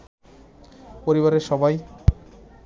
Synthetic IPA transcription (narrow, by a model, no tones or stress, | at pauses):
poɾiβaɾeɾʃɔbaj